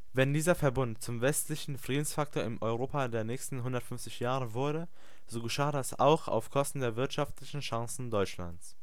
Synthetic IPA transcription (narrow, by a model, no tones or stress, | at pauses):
vɛndiːzɐfɛɐbʊntt͡sʊmvɛstlɪçn̩fʁ̥iːdn̩sfaktʰoːɐɪmʔɔʏʁoːpadeːɐnɛːçstn̩ɦʊndɐtfʏnft͡sɪçjaːʁəvʊɐɾə | z̥oːɡəʃaːdasa̰ʊxa̰ʊfkʰɔstn̩deːɐvɪɐtʃaftlɪçn̩ʃaŋsn̩dɔʏt͡ʃla̰nt͡s